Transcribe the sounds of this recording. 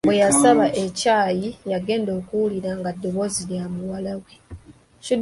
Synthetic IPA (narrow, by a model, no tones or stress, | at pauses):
bwe̞jasaβaʔe̞caːjijaɡe̞ːndo̞ːkuwuliɾaŋɡadːo̞βo̞ziljamuwalawe | cud